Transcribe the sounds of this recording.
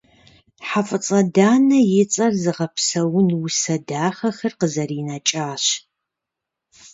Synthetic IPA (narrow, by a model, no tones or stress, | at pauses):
ħafʼɨt͡sʼɐdaːnɐjɪt͡sʼɐrzɨʁɐpsɐwʊnwʊsɐdaːχɐxɐrqəzɐriːnat͡ʃʼaːɕ